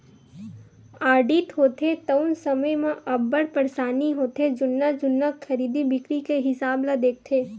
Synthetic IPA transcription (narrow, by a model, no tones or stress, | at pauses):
aːɖiːt̪ɦoːt̪ʰet̪əʊnsɐməjmãʔɐbːəɽpɐɾsaːniɦoːt̪ed͡ʒʊnːad͡ʒʊnːaxʰɐɾiːd̪ibɪkɾikeɦɪsaːblad̪eːk̚t̪ʰeː